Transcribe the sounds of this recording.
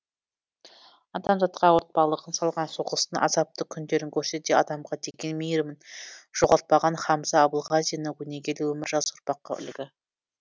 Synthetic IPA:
ɑd̪ɑmʒɑt̪̚qɑwoɾt̪̚pɑlˠəʁənsɑlˠʁɑnsoʁəst̪əɴɑ̰zɑp̚t̪əkʲʰʏnd̪e̞ɾɪŋkʲʰɵɾse̞d̪e̞ɑd̪ɑmʁɑd̪e̞ɡʲe̞nmejɾmɪnʒ̥oʁɑɾt̪̚pɑʁɑnχɑmzɑːbʊlˠʁɑzijanəɡɵneɡʲe̞lewɵmɪɾʒɑzʊɾpɑqːɑ̰ʔʏ̰lɡʲɪ

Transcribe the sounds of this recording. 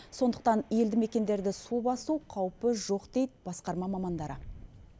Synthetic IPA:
so̞nd̪əq̚t̪ɑnje̞ld̪ɪme̞kʲe̞nd̪e̞ɾd̪ɪsubɑsuwqʰɑwpəʒo̞qd̪̥e̞jt̪b̥ɑsqɑɾmɑmɑmɑnd̪ɑɾə

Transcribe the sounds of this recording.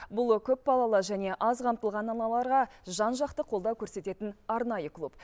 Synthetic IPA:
bʊlˠkʲʰɵp̚bɑlˠɑlˠəʒæne̞ʔɑzqʰɑmt̪əlˠʁɑnɑlˠɑlˠɑɾʁɑʒɑnʒɑqt̪əqʰo̞lˠd̪ɑwkʲʰɵɾse̞t̪e̞t̪ɪnɑɾnɑjəkʰlˠup

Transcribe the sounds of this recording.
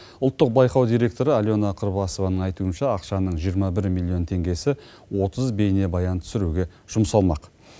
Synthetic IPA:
ʊlˠt̪ːəq̚bɑjqɑwd̪ijɾʲe̞k̚t̪o̞ɾəalʲjo̞nɑqʰəɾbɑso̞vɑnəɴɑjt̪uənʃɑːqʃɑnəɴʒijəɾmɑbɪɾmʲilʲˠːijo̞nt̪ʰe̞ŋɡʲe̞sɪ | wo̞t̪əzbe̞jne̞bɑjɑnt̪ʰʏ̥sɪɾuɡʲe̞ | ʒ̥ʊmsɑlˠmɑq

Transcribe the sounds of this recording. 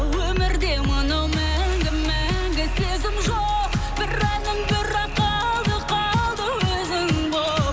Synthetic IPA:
wɵmɪɾd̪e̞monɑwmæŋɡʲɪmːæŋɡʲɪsezɪmʒo | qb̥ɪɾænɪmbɪɾɑqɑ | lˠd̪əqʰɑlˠd̪əwɵzɪŋbo

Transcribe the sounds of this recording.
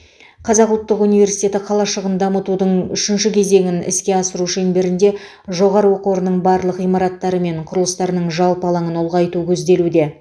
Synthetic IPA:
qʰɑzɑqʊlˠt̪ːəqunijvʲe̞ɾsijt̪ʲe̞t̪ɪqʰɑlˠɑʃəʁənd̪ɑmət̪ud̪əɴʏʃɪnʃɪkʲʰe̞ze̞ŋʲɪnɪ̰skʲe̞ɑsəɾuʃenbɪɾɪnd̪e̞ | ʒo̞ʁɑɾəwo̞qoɾənəɴbɑɾlˠəqijmɑɾɑt̪ːɑɾəme̞ɴqʰʊɾəlˠəst̪ɑɾnəɴʒɑlˠpɑlˠɑɴəno̞lˠʁɑjt̪ukʲʰɵzd̪e̞lud̪e̞

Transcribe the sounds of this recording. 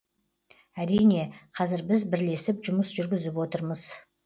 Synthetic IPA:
æɾijne̞qʰɑzɪɾbɪzbɪɾle̞sɪpʒʊməsʒʏɾɡʲɪzɪpwo̞t̪əɾməz̥

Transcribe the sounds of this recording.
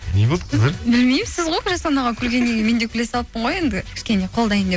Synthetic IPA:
nebolˠd̪əq̪ʰbɪlmejmɪsɪzʁojkʰʒɑsɑnɑʁɑkʲʰʏɾɡʲe̞nːe̞ɡʲe̞me̞nd̪ekʲʰle̞sɑlˠəp̚ːəɴʁo̞je̞nd̪ɪkʲʰɪʃkʲe̞ne̞qʰo̞lˠd̪ɑjənd̪e

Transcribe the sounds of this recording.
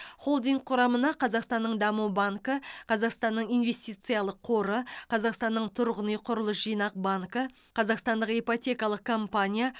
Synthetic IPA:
χo̞lˠd̪iŋk̚qʰʊɾɑmənɑqʰɑzɑqst̪ɑnːəɴd̪ɑmubaŋkəqʰɑzɑqst̪ɑnːəɴijnve̞st̪ijt̪sɨjalˠəqʰo̞ɾəqʰɑzɑqst̪ɑnːəɴt̪ʰʊɾʁənəjqʰʊɾəlˠəsʒijnɑq̚baŋkə | qʰɑzɑqst̪ɑnd̪əqejpot̪ʲe̞kɑlˠəq̚kʰompanʲija

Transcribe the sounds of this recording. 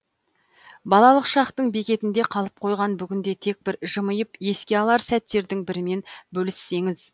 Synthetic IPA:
bɑlˠɑlˠəqʃɑqt̪əɴbe̞kʲe̞t̪ɪnd̪e̞qʰɑlˠəp̚qʰo̞jʁɑnbʏɡʲɪnd̪e̞t̪ʰe̞k̚bɪɾʒəməjəpje̞skʲe̞ɑlˠɑɾsæt̪ːe̞ɾd̪ɪŋbɪɾɪme̞nbɵlɪsːe̞ŋɪz

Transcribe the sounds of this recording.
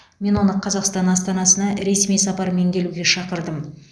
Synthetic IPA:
me̞nwo̞nəqʰɑzɑqst̪ɑnɑst̪ɑnɑsənɑɾe̞smijsɑpɑɾme̞ŋkʲʰe̞luɡʲe̞ʃɑqəɾd̪əm

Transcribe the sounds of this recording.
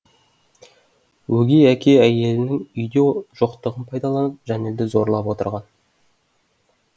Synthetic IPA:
wɵɡʲejækʲʰe̞æje̞lɪnɪŋʏjd̪eʒ̥oqt̪əʁənpʰɑjd̪ɑlˠɑnəp̚ʒæne̞ld̪ɪzo̞ɾlˠɑpwo̞t̪ə̰ɾʁɑn

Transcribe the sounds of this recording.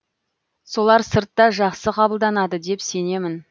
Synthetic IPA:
so̞lˠɑɾsəɾt̪ːɑʒɑqsəqʰɑbəlˠd̪ɑnɑd̪əd̪e̞pse̞ne̞mɪn

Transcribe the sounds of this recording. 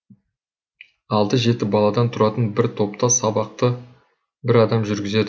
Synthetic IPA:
ɑlˠd̪əʒe̞t̪ɪbɑlˠɑd̪ɑnt̪ʰʊɾɑt̪ənbɪɾt̪ʰo̞p̚t̪ɑsɑbɑq̚t̪ə | bɪɾɑd̪ɑmʒʏɾɡʲɪze̞d̪ɪ

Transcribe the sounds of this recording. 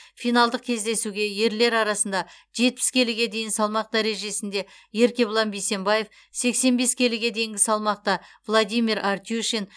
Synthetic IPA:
fijnɑlˠd̪əq̚kʲʰe̞zd̪e̞suɡʲe̞je̞ɾle̞ɾɑɾɑsənd̪ɑ | ʒe̞t̪̚pɪ̥skʲʰe̞lɪɡʲe̞d̪e̞jɪnsɑlˠmɑq̚d̪æɾe̞ʒe̞sɪnd̪e̞ | je̞ɾkʲe̞blˠɑnbijse̞mbaje̞f | se̞kse̞nbe̞skʲʰe̞lɪɡʲe̞d̪ejɪŋɡʲɪsɑlˠmɑq̚t̪ɑvlˠad̪ʲijmʲiɾʔart̪ʲuʃen

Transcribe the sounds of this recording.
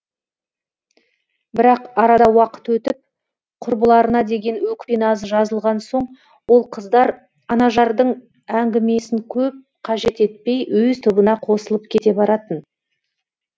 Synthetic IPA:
bɪɾɑqɑɾɑd̪ɑwɑqə̥t̪wɵt̪ɪp̚ | qʰʊɾbəlˠɑɾənɑd̪e̞ɡʲe̞nwɵkʲpenɑzəʒɑzəlˠʁɑnso̞ɴ | wo̞lˠqʰəd̪ɑɾ | ɑnɑʒɑɾd̪əɴ | æŋɡʲɪme̞sɪŋkʲʰɵp̚ | qʰɑʒe̞t̪e̞t̪̚pe̞jwɵzt̪ʰʊbənɑqʰo̞səlˠəp̚kʲʰe̞t̪e̞bɑɾɑt̪ən

